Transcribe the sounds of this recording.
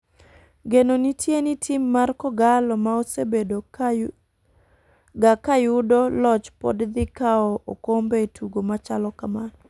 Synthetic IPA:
ɡenonitʰjenitʰimːarkɔɡalɔmaosebedo | ɡakajʊdɔlɔt͡ʃpɔ̰dd̪ɪkaɔʔokombetʰuɡomat͡ʃalɔkaman

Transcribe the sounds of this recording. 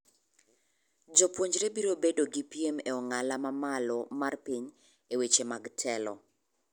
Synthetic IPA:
d͡ʒɔpwoɲd͡ʒɾebiɾobedoɡipjemeɔŋalamamalɔmarpiɲ | ewet͡ʃemaɡtʰɛlɔ̰

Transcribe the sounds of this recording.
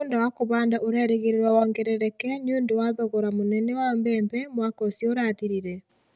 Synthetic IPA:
ondawakoβaːndaʔoɾɛɾeɣeɾeɾwawɔŋɡeɾɛɾɛkɛɲuːndewaðoɣoɾamonɛnɛwambɛːmbɛmwakɔsjoɾaːðiɾiɾɛ

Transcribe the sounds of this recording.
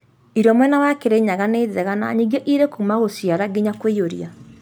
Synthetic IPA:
iɾɔmwɛnawakeɾeɲaɣanezɛɣana̰ɲiŋɡeʔiɾekumaɣosjaɾaɡeɲakweioɾia

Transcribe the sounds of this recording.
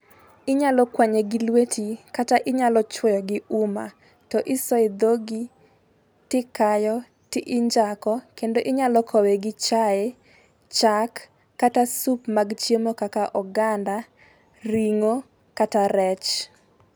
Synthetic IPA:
ɪɲalɔkwaɲeɡɪlwetʰikataʔɪɲalɔt͡ʃwɔjɔɡɪuma̰ | tɔʔɪsɔɪd̪oɡi | tɪkajɔ | tɪʔɪɲd͡ʒakɔkendoʔɪɲalɔkʰɔweɡɪt͡ʃae | t͡ʃakː | atasupmaɡt͡ʃemokakaʔɔɡanda | riŋo | kataɾɛt͡ʃ

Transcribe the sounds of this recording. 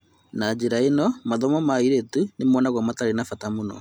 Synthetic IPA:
nad͡ʒeɾaenɔmaðɔmɔmaiɾetunemɔnaɣwɔmataɾenafatamonɔ̰

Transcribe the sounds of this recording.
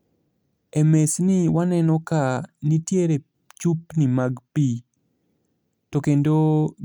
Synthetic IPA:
emesniwanɛnɔkanitjeɾe | t͡ʃupnimaɡpi | tokendo

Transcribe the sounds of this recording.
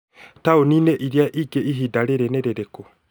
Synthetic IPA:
taonineʔiɾjaʔiɡeʔiɦidaɾeɾeneɾeɾeko

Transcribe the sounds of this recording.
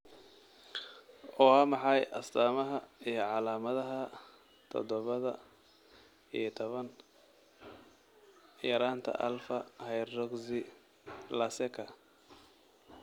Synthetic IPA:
ʔɔːɐmɑħɑjʔɐst̪ʰaːmɐɦɐijɞʕɑlaːmɐðɐɦɐ | t̪ʰɔ̰d̪ɔβɐðɐ̰ | ḭjɞt̪ʰɔβɐn | jɐɾaːnt̪ʰɐ̰ʔɐlfɐhɛjrrɔɡzɪ | lɐsɛkʰɐ

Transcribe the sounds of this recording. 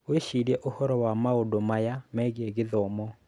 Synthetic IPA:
weʃiɾiɛʔohɔɾɔwamaodomajamɛɣeɣeðɔmɔ

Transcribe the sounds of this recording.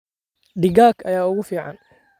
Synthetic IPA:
ɖɪɡaːkʰɐjaːʊɣʊfiːʕɑn

